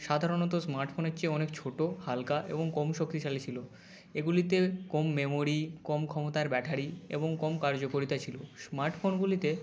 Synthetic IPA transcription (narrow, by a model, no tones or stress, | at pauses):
ʃad̪ʱaɾonɔt̪̬osmaɾʈfʰoneɾt͡ɕeɔnekt͡ɕʰoʈohalkaʔḛboŋkomʃok̚t̪iʃalet͡ɕʰilo | eɡulit̪ekomːemoɾikomkʰɔmot̪aeɾbɛʈʰaɾiḛboŋkomkaɾd͡ʑokoɾit̪at͡ɕʰilosmaɾʈfonɡulit̪e